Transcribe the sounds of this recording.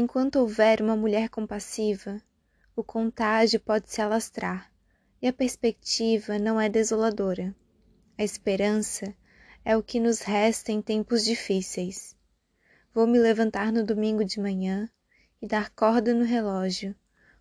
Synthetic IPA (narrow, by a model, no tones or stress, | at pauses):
ẽkwɐ̃nt̪ʊowvɛɾũmɐmuʎɛɾkõmpasivɐ | ʊkʰõnt̪aʒjʊpɔd͡ʒɪsɪalast̪ɾaɾ | ɪɐpeɾspekt͡ʃivɐnɐ̃w̃ɛd̪ezolad̪oɾɐ | ɐɪspeɾɐ̃sɐ | ɛʊkɪnʊzɦɛst̪ɐẽj̃t̪ẽmpʊzd͡ʒifisejs | vowmɪlevɐ̃nt̪aɾnʊd̪omĩŋɡʊd͡ʒɪmɐ̃ɲɐ̃ | ɪd̪aɾkɔɾd̪ɐnʊɦelɔʒjʊ